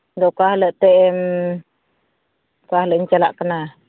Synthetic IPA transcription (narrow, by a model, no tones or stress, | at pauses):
doʔkahləʔt̪eʔɛm | kahləʔɲt͡ʃalaʔkəna